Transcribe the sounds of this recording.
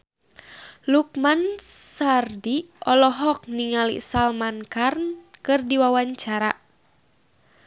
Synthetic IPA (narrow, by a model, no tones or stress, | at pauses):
luk̚mansardiɔlɔɦɔk̚niŋalḭsalmankarnkɨrdiwawaɲt͡ʃaɾa